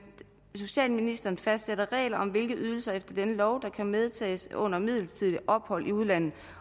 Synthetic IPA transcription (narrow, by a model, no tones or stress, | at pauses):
so̝ɕɛ̰ːlminisd̥ɐːnfæsd̥seɾɐʁɛ̰ːlɐɒ̽mʋe̝lɡ̥əyð̞ˠl̩sɐefd̥ɐd̥enəlɒʊd̥ɑ̈kʰæmeð̞ˠt͡sʰɛ̰ːsɔ̽n̰ɐmið̞̰ˠl̩st͡sʰiðˠliʔɒ̽b̥hɒ̽lʔiuð̞ˠlæn̰ð̩ˠ